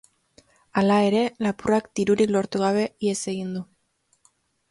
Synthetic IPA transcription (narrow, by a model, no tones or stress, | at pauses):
alae̞ɾe̞lapurakd̪iɾuɾiklo̞ɾt̪uɣ̞aβ̞e̞ie̞se̞ɣ̞ind̪u